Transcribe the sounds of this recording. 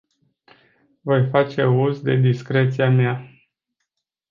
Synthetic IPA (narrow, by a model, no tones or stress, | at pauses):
vo̞jfat͡ʃe̞uzd̪e̞d̪iskɾe̞t̪siama